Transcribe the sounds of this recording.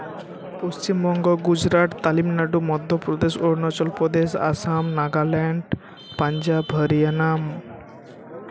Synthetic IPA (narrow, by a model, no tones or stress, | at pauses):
post͡ʃimbɔŋɡɔɡud͡ʒɾaʈt̪alimnaʈumɔd̪ʱːɔpɾɔd̪esoɾnɔt͡ʃɔlpɾɔd̪esa̰samnaɡalɛɳɖ | paɲd͡ʒabɦəɾijanam